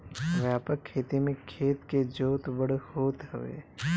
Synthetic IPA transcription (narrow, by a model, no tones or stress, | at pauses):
ʋjaːpəkʰːeːt̪imẽkʰeːt̪ked͡ʒoːt̪bəɽhoːt̪həʋḛː